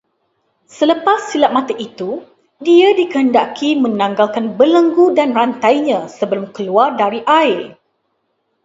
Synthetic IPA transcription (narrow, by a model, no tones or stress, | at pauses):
sələpasːilaʔ̚mãt̪əʔit̪u | diadikəɦəndakimə̃nãŋɡalkanbələŋɡudanrant̪ajɲãsəbəlumkəluardaɾiʔaɪl